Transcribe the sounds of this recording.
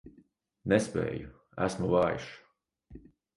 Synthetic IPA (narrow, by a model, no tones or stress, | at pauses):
nɛspɛ̰ːju | æ̰smuvaːj̰ʃ